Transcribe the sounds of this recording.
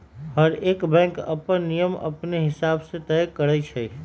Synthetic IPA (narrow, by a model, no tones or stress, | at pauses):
hɐɾeːkbɛ̃ːŋkɐ̰pənːijəmɐ̰pneɦɪsaːbset̪ɛːjkəɾət͡ʃʰɛ